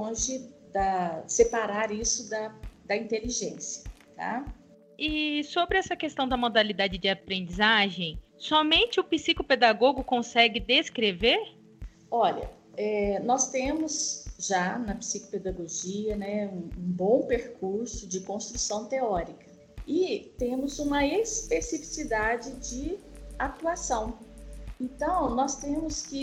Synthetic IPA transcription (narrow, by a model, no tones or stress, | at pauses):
õʒɪd̪ɐsepaɾaɾisʊd̪ɐd̪ɐĩnt̪eliʒẽsjɐ | t̪a̰ | ɪsobɾɪɛsɐkest̪ɐ̃w̃d̪ɐmod̪alid̪ad͡ʒɪd͡ʒɪapɾẽnd͡ʒizaʒẽj̃ | sɔmẽnt͡ʃɪʊpisikoped̪aɡoɡʊkõsɛɡɪd̪eskɾeveɾ | ɔʎɐ̰ | ɛnɔst̪ẽmʊzʒanɐpi̥siko̥ped̪aɡoʒiɐnɛũũbõw̃peɾkuɾsʊd͡ʒɪkõst̪ɾusɐ̃w̃t̪eɔɾikɐ̥ | ɪt̪ẽmʊzũmɐespesifi̥sid̪ad͡ʒɪd͡ʒɪat̪uasɐ̃w̃ẽnt̪ɐ̃w̃nɔst̪ẽmʊskɪ